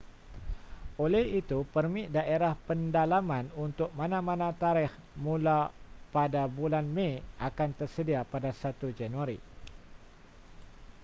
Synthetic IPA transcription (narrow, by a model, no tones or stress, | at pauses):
olɛhit̪upərmɪʔdaʔeɾahpəndalamãnunt̪ʊk̚mãnãmãnãt̪aɾɪh | mũlapadabulanmẽʔakant̪ərsədiapadasat̪ud͡ʒanuaɾḭ